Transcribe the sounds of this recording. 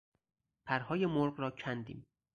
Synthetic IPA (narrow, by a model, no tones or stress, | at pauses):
pʰæɾhɒːjemoɾɢɾɒːcʰænd̪ḭːm